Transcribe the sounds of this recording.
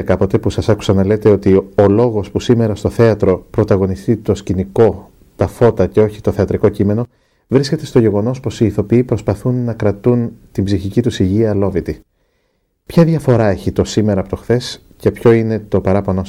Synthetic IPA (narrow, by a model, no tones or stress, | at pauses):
ɐkɐpo̞t̪e̞pusɐsɐku̥sɐnɐle̞t̪e̞o̞t̪io̞lo̞ɣo̞spusime̞ɾɐst̪oθe̞ɐt̪ɾo̞pɾo̞t̪ɐɣo̞nist̪it̪o̞sciniko̞ | t̪ɐfo̞t̪ɐce̞o̞çi̥t̪o̞θe̞ɐt̪ɾiko̞cime̞no̞ | vɾisce̞t̪e̞st̪oʝe̞ɣo̞no̞spo̞siːθo̞piipɾo̞spɐθunːɐkɾɐt̪unt̪imbziçicit̪usiʝiɐlo̞vit̪i | pçɐðʝɐfo̞ɾɐe̞çit̪o̞sime̞ɾɐpot̪o̞xθe̞s | ce̞pço̞ine̞t̪o̞pɐɾɐponos